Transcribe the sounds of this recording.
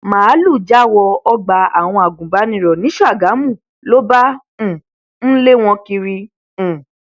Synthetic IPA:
mãː˨˦lu˦˨d͡ʒa˦˨wɔ˧ɔ˧ɡ͡ba˨a˨w̃ɔ̃˧a˨ɡũ˨ba˨˦nĩ˦˧˨ɾɔ˨nĩ˨˦ʃɔ˦a˦˨ɡa˨˦mũ˦˨ | lo˦bã˦˨ | ñ̩˦le˦w̃ɔ̃˧ki˧ɾĩ˧˨

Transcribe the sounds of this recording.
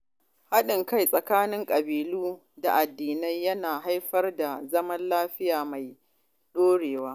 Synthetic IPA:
ha˦ɗɪ˨ŋka˦jsʼɐ˨kaː˦nɪ˦ŋkʼɐ˨biː˨luː˦ | da˨ʔa˨dːiː˨na˦jːɐ˦naː˨ɦa˦jɸɐ˦rda˨zɐ˦mɐ˦nlaː˦ɸɪ˦jaː˨ma˨j | ɗoː˦ɽeː˨waː˦

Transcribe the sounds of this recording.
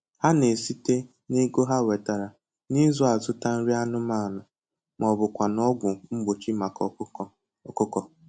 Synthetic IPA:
ha˦ne˨si˦te˦ | ne˦ɡo˦ɦa˦we˨ta˨ɾa˨ | ni˦zɔ˦a˨zʊ˦ta˦n̩˦ɾi˦a˦nʊ˦ma˦˨nʊ˨ | mɔ˨bʊ˨kʷa˨nɔ˦ɡʷʊ˨ŋ͡m̩˦ɡ͡bo˨t͡ʃi˦ma˨kɔ˨˦˨ | ɔ˨kʊ˦kɔ˨

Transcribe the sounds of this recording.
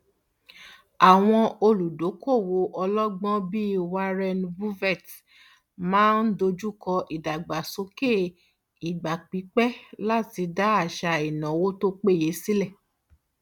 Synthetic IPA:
a˨w̃ɔ̃˧o˧lu˨do˨˦ko˦˨wo˧ʔɔ˧lɔ˦ɡ͡bɔ̃˦bi˦wa˧ɾɛ˧nbu˦vɛ˦˨t | mãː˨˦n̩˦do˧d͡ʒu˦kɔ˧ʔi˨da˨ɡ͡ba˨so˨˦ke˦˨ | i˨ɡ͡ba˨k͡pi˨˦k͡pɛ˦la˦ti˧da˦a˦˨ʃa˧i˨nã˨wo˦to˦k͡pe˦˨je˨˦si˦lɛ˦˨

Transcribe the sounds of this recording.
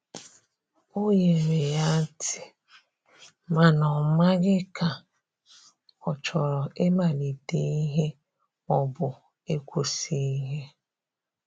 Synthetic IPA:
o˦je˨ɾe˨ja˦tʰɪ˨ | ma˨nɔ˨ma˦ɡɪ˦ka˨ | ɔ˨t͡ʃɔ˨ɾɔ˨e˦ma˨li˨de˦i˦ɦe˦ | ɔ˦bʊ˨ | e˦kʷo˦si˦i˦ɦe˦

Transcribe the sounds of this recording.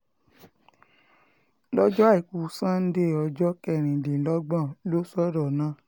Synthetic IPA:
lɔ˦d͡ʒɔ˦a˦˨i˨ku˨sã˦n̩˦de˦˨ɔ˧d͡ʒɔ˦kɛ˦˨ɾ̃ĩ˨dĩ˨˦lɔ˦ɡ͡bã˦˨lo˦sɔ˦ɾɔ˦˨nãː˦˨

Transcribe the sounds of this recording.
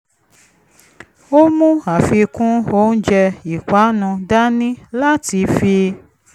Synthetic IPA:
o˦mũ˦a˨fi˧kũ˦o˦n̩˦d͡ʒɛ˧i˨ka˨˦nũ˧da˦nĩ˦la˦ti˧fi˧

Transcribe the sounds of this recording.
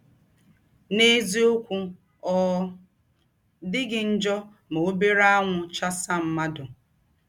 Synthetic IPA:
ne˦zi˦o˦kʷu˦ | ɔ˦ | dɪ˦ɡɪ˨n̩˦d͡ʒɔ˦ | mo˨o˦be˦ɾa˦a˦ŋʷʊ˨t͡ʃa˦sa˦˨m̩˦ma˦dʊ˨

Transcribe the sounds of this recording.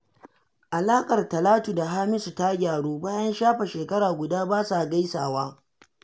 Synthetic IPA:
ʔa˨laː˦kʼɐ˨rtɐ˨laː˦tu˨da˨ɦaː˦mɪ˦su˨ta˦ɡʲaː˨ɽuː˦baː˦jɐ˦nʃaː˦ɸa˨ʃeː˨kɐ˦ɽaː˨ɡʷʊ˨daː˦baː˦sa˨ɡa˦jsaː˨waː˦

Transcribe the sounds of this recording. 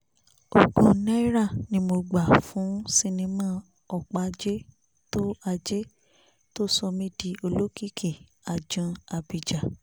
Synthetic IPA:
o˨ɡõ˨nɛ̃˦ɾa˦˨nĩ˦mo˧ɡ͡ba˨fũ˨˦si˧nĩ˧mã˦˨ | ɔ˨k͡pa˨˧d͡ʒe˦ | to˦a˧d͡ʒe˦ | to˦sɔ˧mĩ˦di˧o˧lo˦ki˦˨kʰi˦˨a˨d͡ʒũ˨˧a˨bi˨d͡ʒa˨

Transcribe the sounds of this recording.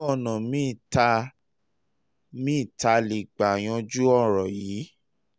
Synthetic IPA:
ɔ˦˨nɔ̃˨mĩ˦˨ta˧ | mĩ˦˨ta˧li˨ɡ͡ba˨j̃ɔ̃˧d͡ʒu˦ɔ˦˨ɾɔ˨jiː˨˦

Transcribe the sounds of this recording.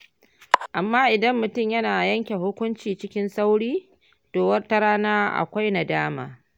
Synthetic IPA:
ʔa˨mːaː˦ʔɪ˨dɐ˦mːʊ˨tʊ˦˨mjɐ˦naː˨jɐ˦ŋkʲe˨hʊ˦kʷʊ˦nt͡ʃiː˨t͡ʃɪ˦kʲɪ˦nsa˦wɽiː˦ | toː˨wɐ˦rta˦ɽaː˦naː˦ʔa̰˨kʷa˦jna˨daː˦ma̰ː˨

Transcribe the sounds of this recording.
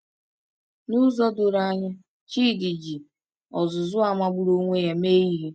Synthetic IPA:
nu˦zɔ˦dʊ˨ɾa˦˨ɲɪ˦ | t͡ʃiː˦˨di˨d͡ʒi˨ | ɔ˨zʊ˨zʊ˦a˨ma˦ɡ͡bu˦ɾo˦ŋʷe˦ja˨meː˦i˦ɦe˦

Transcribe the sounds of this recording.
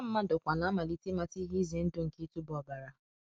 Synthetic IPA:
a˦m̩˦mã˦dɔ˨kʷa˨la˨˦ma˨li˨˦ti˦ma˧ti˦ɦi˦ze˨˦n̩˦do˦ŋ̩˨ki˦tu˦bɔ˨ba˨ɾa˨

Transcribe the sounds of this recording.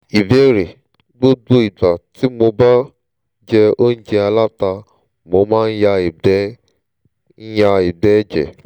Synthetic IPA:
i˨be˦ɾe˨ | ɡ͡bo˦do˦i˨ɡ͡ba˨ti˨˦mo˧ba˦ | d͡ʒɛ˧o˦n̩˦d͡ʒɛ˧a˧la˦ta˧ | mo˧˦mãː˦n̩˦ja˧˨ɛ˦ | n̩˦ja˧i˨bɛ˦d͡ʒɛ̰˨

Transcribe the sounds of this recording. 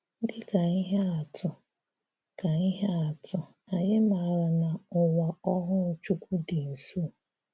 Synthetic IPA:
dɪ˦ka˨i˦ɦe˦a˨tʰʊ˨ | ka˨i˦ɦe˦a˨tʰʊ˨ | a˨jɪ˦ma˨ɾa˨na˨ʊ˨wa˨ɔ˦ɦʊ˦n̩˦t͡ʃu˦kʷu˦dɪ˨n̩˨su˦˨

